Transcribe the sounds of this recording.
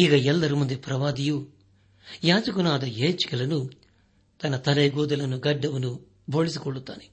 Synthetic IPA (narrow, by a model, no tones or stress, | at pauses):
iɡɐɛlːɐɾimund̪ipɾɐʋaːd̪iju | jaːd͡ʒɐkunaːd̪ɐeːt͡ʃkilɐnu | t̪ɐnɐt̪ɐleːɡuːd̪ɐlɐnuɡɐɖːɐʋunu | bʱoːɭis̬ikoɭut̪aːni